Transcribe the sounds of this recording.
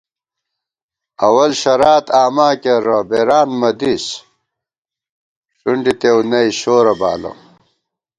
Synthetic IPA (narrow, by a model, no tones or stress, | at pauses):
ɐwɐlɕɐɾaːt̪aːmaːkeɾɐbeːɾaːnmɐd̪is | ʂuɳɖit̪ewnɐiɕoːɾɐba̰ːlɐ̰